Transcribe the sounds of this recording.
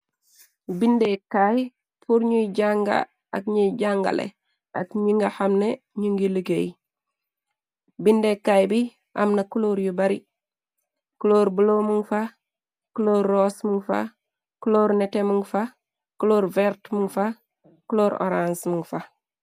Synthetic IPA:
bindekaj | puɾɲuɟaŋɡa̰ | a̰kɲiɟaŋɡa̰lḛ | akɲiŋɡahamne | ɲuŋɡiliɡej | bindekːaːjbi | a̰mnakuloːɾjubaɾi | kuloɾblomuŋfa | kuloːɾːosmuŋfa̰ | kuloːɾnetemuŋɡfa | kuloːɾvɛɾtmuŋfa | kuloːɾo̰ɾansmuŋfa

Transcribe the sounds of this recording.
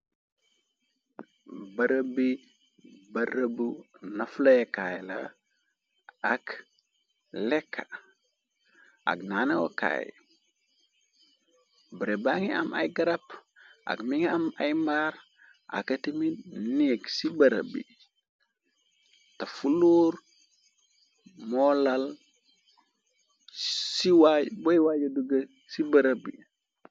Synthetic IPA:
baɾabi | baɾabunaflajekajla̰ | ak | lekʰːa | ʔa̰ɡnanawo̰ka̰j̰ | bɾebaŋiama̰jɡaɾap | ʔa̰ɡmiŋamajmbaɾ | ʔa̰katimineːɡsibaɾa̰bḭ | tafuloːɾ | molal | siwabojwaːɟoduɡa | sibaɾabḭ

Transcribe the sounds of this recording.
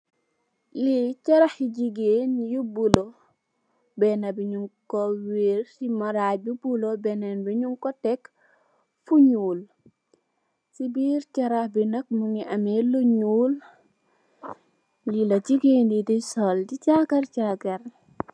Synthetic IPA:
licɐɾahiɟiɡenjibulo | bɛnabiɲuŋkowiɾsimaɾabibulobɛnenbiɲuŋkotek | fuɲuːl | sibiːɾt͡ʃɐɾahbinɐk̚muŋiʔɐmeluɲuːl | lilɐɟiɡendidisoldit͡ʃaɡɐɾt͡ʃaɡɐɾ

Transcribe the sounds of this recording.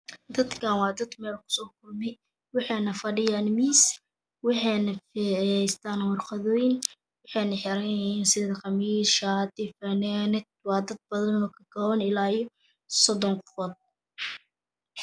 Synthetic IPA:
d̪ɐd̪kʰaːnwɑːd̪ɐd̪mɛːlkʰʊ̥sɔːkʰʊlmɛj | wɑħɑjnɐfɐɽɪjaːnmiːs | wɑħɑnɐfɪʕɛjst̪ʰaːnwɑrqɐðɔːjɪn | wɑħɑnɐħɪɾɐnɐhiːnsɪðɐqɑmiːʃat̪ɪfɐnɛnɛt̪̚wɑːd̪ɐd̪̚bɐðɐnɔːkʰɐɡɐwɔnɪlaːjɔ | sɔd̪ɔŋkʊ̥fɔd̪̚

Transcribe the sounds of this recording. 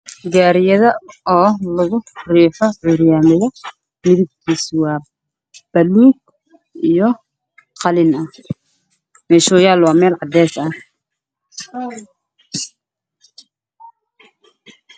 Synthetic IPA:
ɡaːɾɪjɐðɐɔːlɐɣʊriːħɔʕʊːɾjaːmɛjɐ | mɪðɪb̚kʰiːswɑː | b̥ɐluːɡ̚ | ijɞ | qɑlɪnɐh | mɛʃɔːjaːlwɑːmɛːlʕɑd̪ɛːsɐh

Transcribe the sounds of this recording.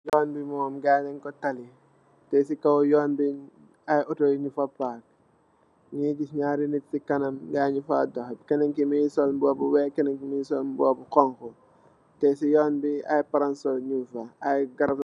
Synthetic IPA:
jɔːnbimɔːmɡanɛŋkɔtɐli | tɛsikɐwjɔːnbi | ajɔtonifɐpak̚ | ɲid͡ʒisɲaːɾinitsikɐnɐmɡaːɲifa̰dɔxbkɛnɛŋkimisɔlbɔːbuwɛkɛnɛŋkimisɔlbɔːbukɔŋkɔ | tɛsijɔːnbiɐ̰jpɐɾɐnsɔɲufɐajɡɐɾ

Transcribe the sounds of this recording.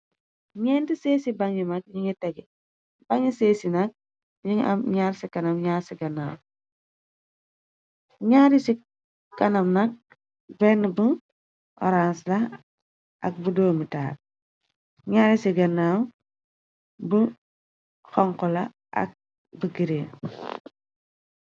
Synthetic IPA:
ɲɛntiseːsibaŋimɐk̚ɲiŋitɛɡi | baɲiseːsinɐk̚ | ɲiŋɐ̰mɲaːɾsikɐnɐmɲaːɾsiɡɐnːaːw | ɲaːɾisi | kɐnɐmnɐk̚ | bɛnbuŋ | ʔɔ̰ɾanslɐ | ʔɐk̚budoːmitaː | ɲaɾisiɡɐnːaw | bu | xɔŋkɔlɐ | ʔɐ̰k̚ | bəɡiɾeːn

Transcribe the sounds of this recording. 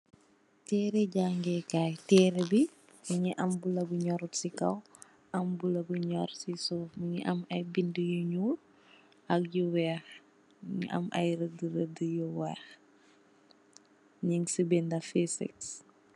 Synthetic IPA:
tɛːɾeɟaːŋɡɛkajtɛːɾebi | əɲiʔɐmbulɐbəɲɔɾutsikɐw | ʔɐmbulɐbəɲɔɾsisɔːfməɲiʔɐmɐjbindəjuɲuːr | ɐk̚juwɛx | ɲḭʔɐ̰mɐ̰jɾədəɾədəjuwɛ̰ːx | ɲiŋsibɛndɐfɛsɛ̰ks

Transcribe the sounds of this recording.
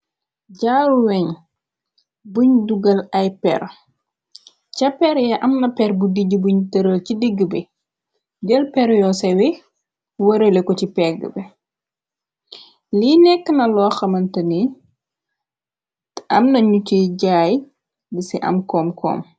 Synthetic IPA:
ɟaːɾuwɛɲ | buɲduɡɐlɐjpɛ̰ɾ | cɐpɛɾjɛʔɐmnɐpɛrbudiɟibuɲtɐɾɔcidiɡːəbɛ | ɟɐlpɛɾjɔːsɛwi | wɐɾelɛkɔcipɛɡːə̰bɛ | linɛkːənɐlɔːxɐmɐntɐni | ɐmnɐɲuciɟaːj | bisiʔɐ̰mkɔːmkʰɔ̰ːm

